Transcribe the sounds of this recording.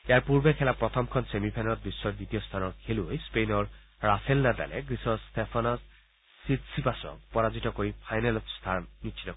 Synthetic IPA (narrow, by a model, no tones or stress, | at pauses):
eaɹpuɹbekʰɛlapɹɔt̪ʰɔmkʰɔnsemipʰɛnalɔt̚bisːɔditijɔst̪ʰanɔtkʰeluojspejnɔɹ | ɹapʰelnada̰lɛ̰ɡɹisɔstʰepʰanɔsː | itsipasɔ̰kpɔɹazitɔkoɹipʰajnalɔtst̪ʰanːitʃʰi̥tɔ